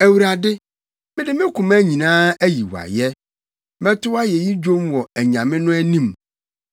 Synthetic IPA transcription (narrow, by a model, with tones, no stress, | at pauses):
æ˨wu˨ɾa˨dɪ˦ | mɪ̃˦dɪ˦mɪ̃˦kʰʊ̃˨mæ˦ɲĩ˨nãː˦æ˦ji˨wa̰˨jɛ˦ | mɛ̃˦tʊ˦wa˦jɛ˨ji˦d͡ʑᶣo˦mwɔ˨æ˨ɲã˨mɪ̃˦nʊ̃˦æ˦nĩ˦˨m